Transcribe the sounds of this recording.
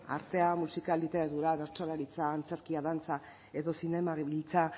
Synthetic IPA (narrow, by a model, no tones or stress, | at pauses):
a̰ɾt̪e̞amusikalit̪e̞ɾat̪uɾaβe̞ɾt͡solaɾit͡saːnt͡seɾkiaðant͡sa | e̞ðo̞sine̞maɣβilt͡sa